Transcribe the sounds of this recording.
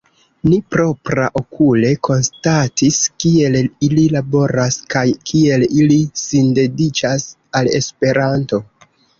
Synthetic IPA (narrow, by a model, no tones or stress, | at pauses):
nipɾo̞pɾa̰ʔo̞kʰule̞ko̞nstatiskie̞lililabo̞ɾaskajkʰie̞lilisinde̞dit͡ʃas | ale̞̰spe̞ɾanto̞